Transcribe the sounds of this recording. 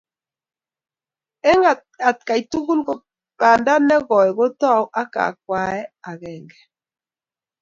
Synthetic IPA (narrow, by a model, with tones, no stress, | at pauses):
ɛ˦ŋa˨ | a˨t̚ka˨i˨tu˦ɣu˦lɣo˨ | ba˨nda˦nɛ˦ɣɔ˨ɛ˨ɣo˦tɔ˦˨u˦ʔa˦ka̰˨k̚wa˨ɛ˦a˨ɣɛ˨ŋɡɛ˨